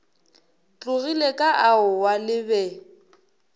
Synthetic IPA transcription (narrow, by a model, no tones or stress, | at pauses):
t͡ɬʼʊɣilekʼaʔaʊwalɪbɛ